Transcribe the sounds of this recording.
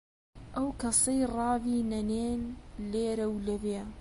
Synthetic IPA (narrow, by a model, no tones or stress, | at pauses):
ʔɐwkɐsˤejrˤɑːviːnɐneːnleːɾɐwlɐveː